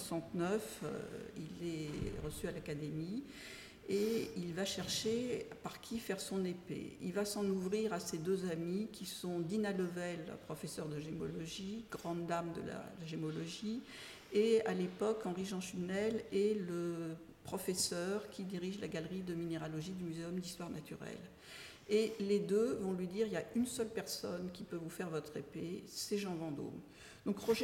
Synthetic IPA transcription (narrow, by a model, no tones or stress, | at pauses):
sɑ̃t̪nœf | ḭlɛʁəsyalakad̪emi | eilvaʃɛʁʃepaʁkʲʰifɛʁsɔ̃nepḛḭlvasɑ̃nuvʁiʁased̪øzamikʲisɔ̃d̪inaləvɛlpχɔfɛsœʁd̪əʒemɔ̰lɔʒiɡ̥ʁɑ̃d̪d̪amd̪ə̰la̰laʒemɔlɔʒi | ealepɔkɑ̃ʁiʒɑ̃ʃynɛlɛlə | pχɔfɛsœʁkʲid̪iʁiʒlaɡalʁid̪əmineʁalɔʒid̪ymyzeɔmd̪ist̪waʁnat̪ʰyʁɛ̰l | eled̪øvɔ̃lɥid̪iʁiljaynsœlpɛʁsɔnkʲipøvufɛʁvɔt̪χepesɛʒɑ̃vɑ̃d̪o̰m | d̪̥ɔ̃kʁɔʒ